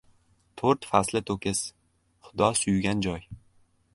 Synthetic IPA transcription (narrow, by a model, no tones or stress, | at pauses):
t̪ʰoɾt̪faslɪt̪ʰɵkʲʰɪz̥ | χʊd̪ɒsʊjɡʲand͡ʒɒj